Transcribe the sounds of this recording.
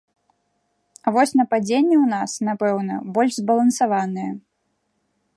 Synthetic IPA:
avɔsʲnɐpad͡zʲenʲːɛwnasnapɛwnɐ̰bɔlʲʐzbɐlˠɐnsavanɨjɐ

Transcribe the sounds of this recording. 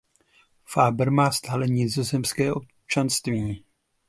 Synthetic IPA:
faːbɾmaːst̪aːlɛɲɪzozɛmskɛːʔo̞p | t͡ʃanst̪viː

